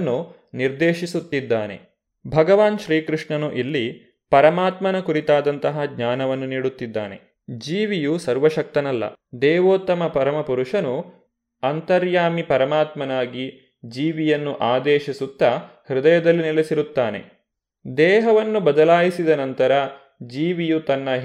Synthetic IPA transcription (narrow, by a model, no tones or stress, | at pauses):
nːu | niɾd̪eːʃisut̪ːid̪ːaːne̞̰ | bʱɐɡɐʋaːnʃɾiːkɾuʂɳɐnuʔilːi | pɐɾɐmaːt̪mɐnɐkuɾit̪aːd̪ɐnt̪ɐɦɐɡɲaːnɐʋɐnːuniːɽut̪ːid̪ːa̰ːnḛ | d͡ʒiːʋijusɐɾʋɐʃɐk̚t̪ɐnɐlːɐ̰d̪ɛːʋoːt̪ːɐmɐpɐɾɐmɐpuɾuʂɐnu | ɐnt̪ɐɾjaːmipɐɾɐmaːt̪mɐnaːɡi | d͡ʒiːʋijɐnːuʔaːd̪ɛːʃisut̪ːɐ | hɾud̪ɐjɐd̪ɐlːinilesiɾut̪ːaːnḛ | d̪ɛːɦɐʋɐnːubɐd̪ɐlaːjisid̪ɐnɐnt̪ɐɾɐ | d͡ʒiːʋijut̪ɐnːɐɦ